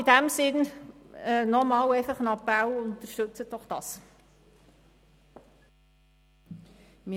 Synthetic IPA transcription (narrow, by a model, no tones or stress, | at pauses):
idæmsɪn | ənɔmɑːlɛɪfəχənɑpælʊnt̪əʃtɵt͡sət̚dɔχd̥ɑ̰ːs | mi